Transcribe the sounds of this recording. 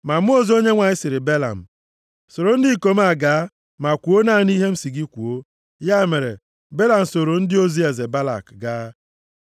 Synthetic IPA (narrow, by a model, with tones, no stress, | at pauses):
ma˨m˦o˦zo˦ɲe˦ŋʷa˨ɲɪ˦sɪ˨ɾɪ˨be˦la̰˨m̩˨ | so˨ɾo˨n̩˦di˦˨ko˦m̩˦a˨ɡaː˨˦ | ma˨kʷu˨o˦na˦˨ni˦ɦe˦m̩˦si˨ɡi˦kʷu˨o˦ | ja˦me˨ɾḛ˨ | be˦la˨m̩˨so˨ɾo˨n̩˦dɪ˦o˦zi˦e˨ze˨ba˦la̰˨kɡaː˦